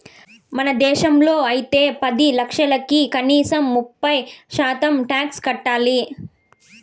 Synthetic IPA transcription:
mɐnɐd̪ɛːʃɐmlo̞ːɐjit̪e̞ːpɐd̪ilɐkʂɐlɐkikɐniːsɐmːupːɐjʃaːt̪ɐmʈaːkskɐʈːaːli

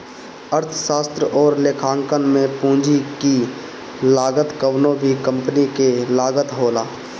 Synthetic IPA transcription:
əɾt̪ʰʃaːst̪ɾəʔɔːɾlekʰaːŋkənmẽpũːd͡ʒiki | laːɡət̪kəwnõbʱikə̃mpənikelaːɡət̪ɦoːlaː

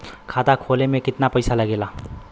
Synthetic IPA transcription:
kʰat̪akʰolemekɪt̪napəjsaləɡela

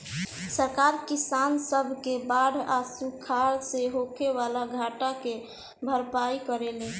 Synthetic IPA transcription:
səɾkaɾkisansəbʱkebaɽʱasukʰaɾseɦokʰeʋalaɡʱaʈake | bʱəɾpaikəɾele

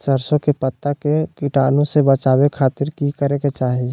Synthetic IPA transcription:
səɾsõkepət̪ːakekɪʈaːnõsebət͡ʃaːwekʰaːt̪ɪɾkikəɾeket͡ʃaːɦie

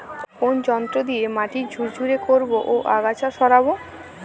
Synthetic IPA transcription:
kond͡ʑɔnt̪ɾod̪iemaʈid͡ʑʱuɾd͡ʑuɾekoɾboʔoʔaɡat͡ɕʰaʃɔɾabo

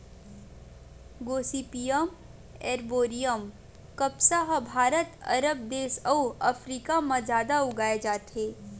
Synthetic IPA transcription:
ɡoːsiːpijəm | ɛːɾboːɾijəm | kɐpsaɦbʱaːɾət̪ɐɾəb̚d̪eːʃɐuɐfɾiːkamãzaːd̪aʊɡaːed͡ʒaːt̪ɦeː

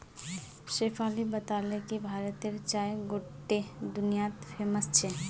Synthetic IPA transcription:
ʃepʰalibət̪alekibʱaːɾət̪eɾt͡ʃaeɡoʈːed̪unijat̪pʰeməst͡ʃʰe

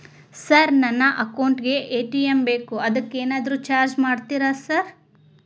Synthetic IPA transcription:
sɐɾnɐnːɐʔɐkɐwɳʈɡe̞ʔeːʈijembeːkuɐd̪ɐkːeːnaːd̪ɐɾuːt͡ʃaːɾd͡ʒmaːɖt̪iːɾasɐɾ

